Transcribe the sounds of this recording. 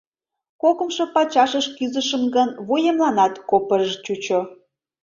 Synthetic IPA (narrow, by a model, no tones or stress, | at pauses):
kokə̆mʃŏpɑt͡ɕɑʃəʃkyzəʃəmɡənβujemlɑnɑt̪kopərʒt͡ɕut͡ɕo